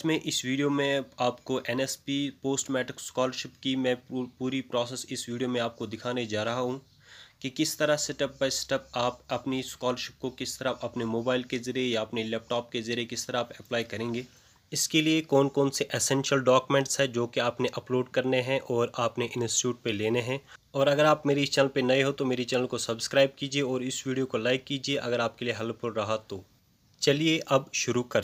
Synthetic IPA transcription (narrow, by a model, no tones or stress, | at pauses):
ɪsmẽʔɪsʋiːɖijomẽaːpkoʔɛnɛspipoːsʈmɛːʈɾɪkskɔːləɾʃɪpkimɛ̃ːpuːɾipɾɔːsɛsɪsʋiːɖijomẽaːp̚kod̪ɪkʰaːned͡ʒaːɾɐɦaɦũ | kekɪst̪ɐɾasɛʈɐpːɐsɛ̥ʈəpaːpɐpniskɔːləɾʃɪp̚kokɪst̪ɐɾapɐpnemoːbaːɪlkezɐɾiejaɐpnelɛːp̚ʈɔːp̚kezɐɾiekɪst̪ɐɾaaːpɛplaːikɐɾẽːŋɡeː | ɪskeliekɔːnkɔːnseʔeːsɛ̃ːnʃəlɖɔːkumɛ̃ːɳʈsɦɛd͡ʒoːkeaːpneʔɐploːɖkɐɾneɦɛ̃ʔɔːɾaːpneʔɪ̃nsʈi̥ʈuːʈ̚peleːneɦɛ̃ɔːɾɐɡəɾaːpmeːɾit͡ʃɛːnəlpenɐiɦot̪omeːɾit͡ʃɛːnəlkosɐbskɾaːɪb̚kiːd͡ʒieɔːɾɪsʋiːɖijokolaːɪkːiːd͡ʒieʔɐɡəɾaːp̚kelieɦɐlpʊɾɾɐɦat̪o | t͡ʃɐlieʔɐbʃʊɾukɐɾ